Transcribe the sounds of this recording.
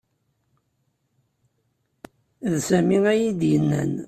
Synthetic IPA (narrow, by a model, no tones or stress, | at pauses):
ðsæmiæjid̪jənːæ̰n